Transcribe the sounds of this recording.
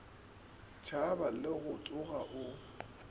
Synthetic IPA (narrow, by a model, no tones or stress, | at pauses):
t͡ʃʰabalɪɣʊt͡sʼʊɣaʔʊ